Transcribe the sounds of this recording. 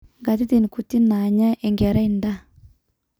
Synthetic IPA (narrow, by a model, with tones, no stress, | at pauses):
ŋɡa˨t̬i˦t̪i˨nku˨ti˦na˨ɲa˦ʔe˨ŋɡɛ˨ɾa˦inda˦